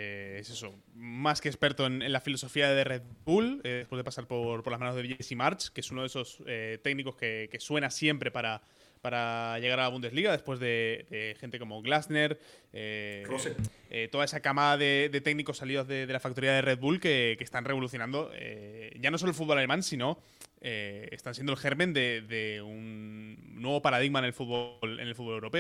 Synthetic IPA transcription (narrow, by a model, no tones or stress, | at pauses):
eese̞so̞ | maskespe̞ɾt̪oene̞nlafilo̞so̞fiaðereðβulðespwezðpasaɾpo̞ɾpolazmãno̞zðeʝesimaɾt͡ʃkee̞sunoð̞e̞so̞set̪e̞ɡniko̞ske̞ke̞swe̞nasje̞mpɾe̞paɾa | paɾaʝe̞ɣaɾalaβund̪e̞zliɣaðe̞spwe̞zðe̞d̪e̞xe̞nt̪e̞ko̞mo̞ɣlasne̞ɾeoet̪o̞ðae̞sakamaðaðe̞ðe̞t̪e̞ɡniko̞sːaliðozðeðe̞lafak̚t̪oiðaðere̞d̪βulke̞kest̪anre̞β̞o̞luθjonãnd̪o̞ḛʝanos̬o̞lolfud̪βolale̞mãnsino̞ | eḛst̪ansjend̪olxe̞ɾmẽnd̪e̞ðe̞unː | we̞β̞o̞paɾað̞iɣmaene̞lfud̪βolḛnelfut̪βoewɾo̞pe̞